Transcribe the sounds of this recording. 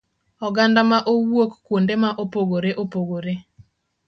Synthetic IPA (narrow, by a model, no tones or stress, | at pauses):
ɔɡandamaʔowwokkwondemaʔopoɡoɾeʔopoɡoɾe